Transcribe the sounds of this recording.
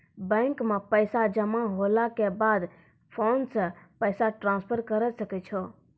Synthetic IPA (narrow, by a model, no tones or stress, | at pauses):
bɛ̃ŋkmẽpəɪsad͡ʒəmaɦolakebaːd̪ | pʰoːnsə̃pəɪsaʈɾãːnspʰəɾkəɾɛsəkɛt͡ʃʰɔ